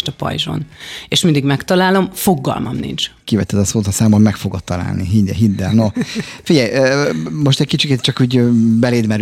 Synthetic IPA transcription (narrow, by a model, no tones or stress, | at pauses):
ʃt̪ɒpɒ̰jʒo̰neʃmind̪iɡmɛkt̪ɒlaːlo̞mfo̞ɡːɒ̰lmɒ̰mnḭnt͡ʃkivɛt̪ːɛd̪ɒsoːt̪ɒsaːmommɛkfo̞ɡot̪ːɒla̰ːlniɦid̪ɛ̰ɦid̪ːɛlnofiɟɛjøːmo̞ʃt̪ɛc̚kit͡ʃiket̪̚t͡ʃɒkuːɟbɛleːd̪mɛɾ